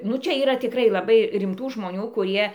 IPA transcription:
nʊ ˈt͡ʃʲɛ iːˈrɐ tʲɪkˈrɐɪ lˠɐˈbɐɪ rʲɪmˈtuː ʒmoːˈnʲuː kʊˈrʲiɛ

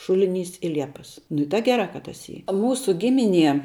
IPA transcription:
ˈʃʊlʲɪˌnʲiːs ɪ ˈlʲiɛpɐs ˈnʊ ɪ tɐ ɡʲɛˈrɑː kɐ tɐs ˈiː ˈmuːsʊ ˈɡʲɪmʲɪˌnʲiɛ

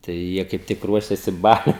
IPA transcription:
tɐɪ ˈjiɛ kɐɪp ˈtʲɪk ˈruɔʃʲeːsʲɪ ˈbɑːlʲʊɪ

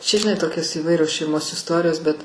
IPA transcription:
ˈt͡ʃʲɛ ʒʲɪˈnɐɪ ˈtoːkʲoːs iːˈʋɐɪrʲoːs ʃʲɛɪˈmoːs ɪsˈtoːrʲɪjoːs bʲɛt

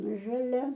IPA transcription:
ʒɐˈlʲɛ

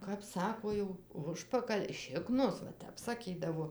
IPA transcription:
kɐp ˈsɑːkoː jɛʊ ˈʊʃpɐkɐlʲ ˈʃʲɪknoːs ʋɐ ˈtʲɛp sɐˈkʲiːdɐʋoː

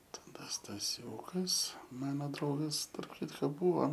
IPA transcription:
tɐˈdɐ stɐˈsʲuːkɐs ˈmɑːnoː ˈdrɐʊɡɐs tɐrp ˈkʲɪtkoː ˈbuːʋoː

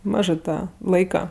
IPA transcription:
ˈmɑːʒɜ ˈtɑː ˈlˠɐɪkɐ

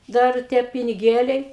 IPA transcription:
ˈdɐr ˈtʲiɛ pʲɪnʲɪˈɡʲeːlʲɛɪ

